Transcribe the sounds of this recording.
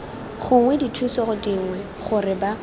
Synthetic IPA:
χʊŋwɛditʰwisɔχʊdɪŋwɛ | χʊrɪba

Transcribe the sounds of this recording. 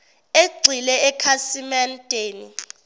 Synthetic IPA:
eɡ͡ǀʱilɛɛkʰasimɛntʼeːni

